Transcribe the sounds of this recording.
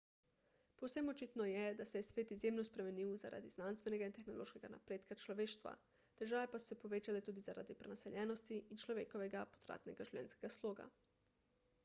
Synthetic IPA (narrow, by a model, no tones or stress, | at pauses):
powsɛmot͡ʃit̪nɔjɛd̪asɛjɛsʋeːt̪izjemnospɾɛmeniwza̰ɾa̰d̪iznanst̪ʋɛnɛɡaint̪exnolo̰ːʃkɛɡana̰pɾeːt̪kat͡ʃloʋeːʃt̪ʋa̰ | d̪̥əɾʒaːʋepasu̥sɛpoʋeːt͡ʃalɛt̪uːd̪izaɾa̰ːd̪ipɾɛnasɛʎjɛːnost̪iʔint͡ʃloʋḛːkoʋɛɡapot̪ɾa̰ːt̪nɛɡaʒiwʎʲɛ̰nskeɡasloːɡa̰